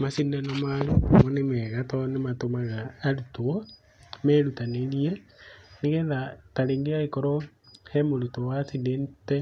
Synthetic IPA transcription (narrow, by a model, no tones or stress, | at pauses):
masindɛnɔmalumɔnemɛɣatɔnematomaɣaːɾutoɔ | mɛɾutaneɾieneɣɛðataɾeŋɡeaikɔɾɔ | hɛmoɾutowasindentɛ